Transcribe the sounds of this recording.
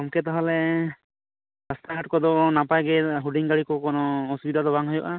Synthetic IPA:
ɔmkɛt̪aɦalɛ | ɾəst̪ʰaɦaʈkɔd̪ɔnapajɡɛɦuɖiŋɡaɽikɔkɔnɔːsubid̪ʱad̪ɔbaŋɦɔjɔʔa

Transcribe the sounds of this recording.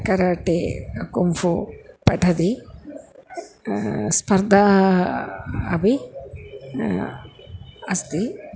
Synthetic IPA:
kɐɾaːʈeɐkumfupɛʈɐd̪i | spɐɾd̪ʱa | ɐbi | ɐst̪i

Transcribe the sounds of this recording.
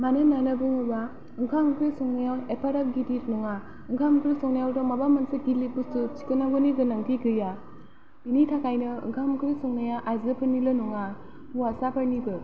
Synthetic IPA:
manɯnanɯbɯŋɯba | ɯŋkʰamkʰɾisɔŋnajawepʰaɾap̚ɡiditnɔŋa | ɯŋkʰamkʰɾisɔŋnajawtʰɔmabamansɯkilipustut͡ʃi̥kɯnaɡɔniɡɯnaŋtʰiɡɯja | pinitʰakajnɯɯ̰ŋkʰamkʰɾisɔŋnajaʔazɯpʰɯɾnilɯnɔŋa | muasapʰaɾnibɯ

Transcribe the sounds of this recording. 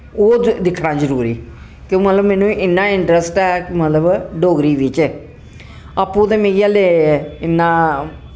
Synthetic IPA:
oːd̪ɪkʰːnaːd͡ʒəɾuːɾiː | kõːmət̪ləbmɛːnũːʔɪnːãːɪɳʈɾəsʈɛːmət̪ləbɖoːɡɾiːʋɪt͡ʃː | aːpːũːd̪eːmeːjaːleːɪnːaː

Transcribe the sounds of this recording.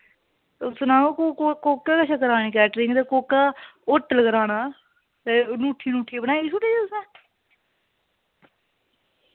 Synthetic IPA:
t̪ʊsnãːoːkːkoːkːaːkəʃaːkəɾaːñiːkɛːʈɾɪ̃ŋɡt̪eːkoːkːaːʊʈːləɡəɾaːnaː | t̪eːnuːʈʰːiːnũːʈʰiːbənaːiːsʊʈːiːiːʊsnãː

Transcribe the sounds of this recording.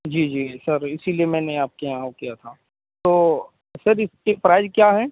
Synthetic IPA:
d͡ʒiːd͡ʒiːsɐɾɪsilijemɛ̃ːneaːp̚kejãːwkijat̪ʰa | t̪oː | sɐɾɪskepɾaːɪd͡ʒkjaːɦɛː

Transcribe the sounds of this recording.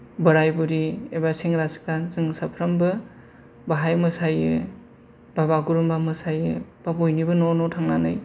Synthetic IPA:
bɯɾajbuɾiebaseŋɾaskanzɯŋsapʰɾɐmbɯ | baɦajmɯsajɯ | b̥abaɡuɾumbamɯsajɯbapojnibɯnonɔtʰaŋnanɯj

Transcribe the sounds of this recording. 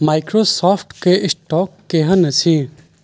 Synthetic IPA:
maːjkɾosɔːpʰʈkeʔɪsʈɔːkːeɦɐnɐt͡sʰĩ

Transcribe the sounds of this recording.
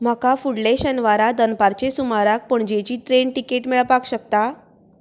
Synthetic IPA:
m̤akafuɽleɕənʋaɾad̪ənpaɾt͡ɕesumaɾak̚pəɳd͡ʑet͡ɕiːʈɾeɳʈikeʈmeɭəpakɕəkt̪a

